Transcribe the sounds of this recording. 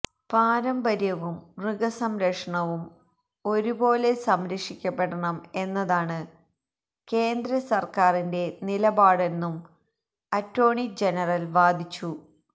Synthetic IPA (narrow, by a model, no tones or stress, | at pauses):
paːɾɐmbɐɾjɐʋumrɨɡɐsɐmɾɐʂɐɳɐʋum | o̞ɾubo̞ːle̞sɐmɾɐkʂikʲːɐpːeɽɐɳɐme̞nːɐðaːɳɨ | ke̞ːnd̪ɾɐsɐrkaːrinde̞nilɐbaːɽe̞nːum | ɐtːɾo̞ːɳid͡ʑenɐrɐlʋaːd̪ʱit͡ɕːu